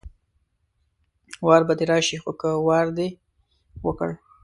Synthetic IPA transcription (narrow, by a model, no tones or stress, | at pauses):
wɑɾbad̪eɾɑʃixokəwɑɾd̪e | wəkə̰ɽ